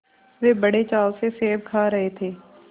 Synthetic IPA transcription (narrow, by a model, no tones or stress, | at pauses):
ʋeːbəɽet͡ʃaːlseseːb̚kʰaːɾəɦet̪ʰeː